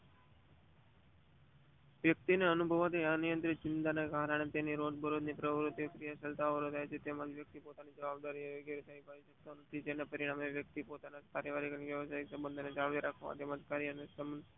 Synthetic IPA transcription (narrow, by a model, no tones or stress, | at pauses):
ʋjək̚t̪ineənubʱəʋat̪ianijənt̪ɾit͡ʃɪnt̪aneɡaɦɾaɽ̃et̪eniɾod͡ʒbʱəɾod̪nipɾəʋɾut̪ːjkɾijasəlt̪aʋəɾot̪ajt͡ʃʰet̪emad͡ʒʋjək̚t̪ipot̪anid͡ʒəʋab̚d̪aɾieʋoɡeɾet̪ʰəipəiʃək̚t̪onət̪ʰid͡ʒenepəɾiɽ̃ameʋjək̚t̪ipot̪anad͡ʒpaɾjəʋaɾikiʋjəʋəsaiksəmbənd̪ʱoned͡ʒaʋʋiɾakʰʋa̰ʋa̰t̪emad͡ʒkaɾiənesəm